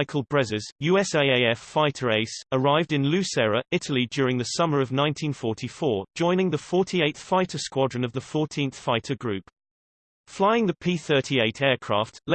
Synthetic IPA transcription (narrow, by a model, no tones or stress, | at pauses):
ɪkʰəlˠbɹɛzəz̥jʉːɛseɪeɪɛfaɪtʰəɹeɪsəɹaɪvdɪ̃nlʉˑsɛɹəɪtʰəlid͡ʒjɔːɹɪ̃ŋðəsʌməɹəvnãɪ̃ntʰĩnfɔˑtʰifɔ̥ːd͡ʒɔ̃ɪ̃ñɪ̃ŋðəfɔˑtʰieɪt̪θfaɪtʰəskwɒdɹə̃nəvðəfɔˑtʰĩnθfaɪtʰəɡɹʉˑp | flaɪɪ̃ŋðəpʰiːθɜˑtʰieɪtʰɛːkʰɹ̥ɑ̰ˑftʰl